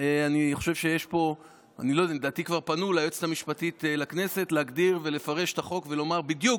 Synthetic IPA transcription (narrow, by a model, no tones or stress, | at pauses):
eaniχo̞ʃe̞vʃejeʃpo̞ | a̰nilojd̪aled̪aːt̪ikvaʁpanulajot͡se̥t̪amiʃpatitelakne̞se̞tleaɡdiʁve̞le̞faʁe̞ʃe̥t̪aχo̞kve̞lo̞maʁbid̪juk